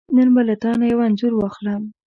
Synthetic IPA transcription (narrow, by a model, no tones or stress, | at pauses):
nənbalat̪ɑnajawanzʊɾwɑxlam